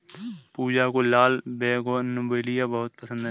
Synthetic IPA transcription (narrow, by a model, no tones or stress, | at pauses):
puːd͡ʒakolaːlbeːkonʊbəlɪjabəɦʊt̪̚pəsə̃nd̪ɦɛ